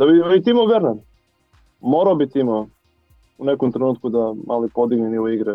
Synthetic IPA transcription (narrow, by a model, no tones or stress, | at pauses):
d̪abibit̪imaveɾnan | moɾaobit̪imo | unekomt̪ɾenuːt̪kud̪amʔalipod̪iɡniniloiɡɾɛ